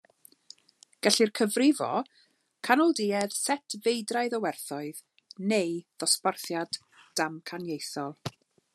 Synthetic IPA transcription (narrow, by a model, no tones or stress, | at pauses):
ɡ̥ɛɬirkʰəvrɪvɔ̰ | kʰanɔlˠdɪːɛð̥sɛtʰvejdrajðɔwɛrθɔɨð | nejðɔsparθjad | d̥amkʰanjejθɔlˠ